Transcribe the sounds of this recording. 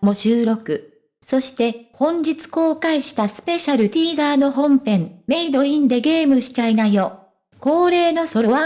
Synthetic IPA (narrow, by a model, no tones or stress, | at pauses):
mo̞ɕɨːɾo̞kɯ̟ | so̞ɕi̥t̪e̞hõ̞ɲ̟d͡ʑit͡sɨ̥ko̞ːkaiɕi̥t̪asɨ̥pe̞ɕaɾɯ̟t̪ʲiːzaːno̞ɦõ̞mpẽ̞mme̞id̪o̞ĩnd̪e̞ɡe̞ːmɯ̟ɕi̥t͡ɕainajo̞ː | ko̞ːɾe̞ːno̞so̞ɾoβa